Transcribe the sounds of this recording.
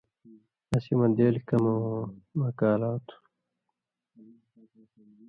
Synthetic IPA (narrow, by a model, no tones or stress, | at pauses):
ɐsimɐd̪eːlkɐmomɐkaːlaːt̪ʰu̥